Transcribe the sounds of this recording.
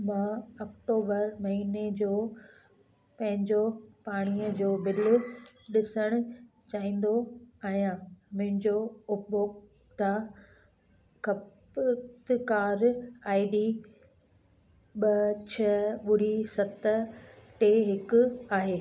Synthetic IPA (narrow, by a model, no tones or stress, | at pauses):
mãːɐk̚ʈoːbəɾmɐɦiːned͡ʑoː | pɐ̃ɦɪ̃ɲd͡ʑopaːɽ̃iəd͡ʑoːbɪlʊɗɪsəɽ̃ʊ | t͡ɕaːĩːn̆d̪oaːɦijãmʊ̃ɦɪ̃ɲd͡ʑoʊbo | t̪ã | kɐ | t̪ɪkaːɾaːiɖi | ɓɐt͡ɕʰɐɓʊɾisɐt̪əʈeɦɪkʊaːɦeː